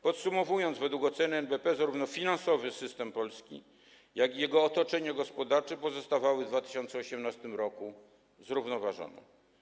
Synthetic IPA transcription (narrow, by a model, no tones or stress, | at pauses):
pɔt̪sumɔvujɔnd̪zvɛd̪wukɔt̪sɛnɛnbɛpɛzaɾuvnɔfʲinansɔvɘsɘst̪ɛmpɔlskʲḭ | jakʲijɛɡɔːt̪ɔt͡ʂɛɲaɡɔspɔd̪aɾt͡ʂɛpɔzɔst̪avawɘvd̪vat̪ɘ̥ɕɔnt̪sɛɔɕɛmnast̪ɘmɾɔku | zɾuvnɔvaʐɔ̰nɛ̰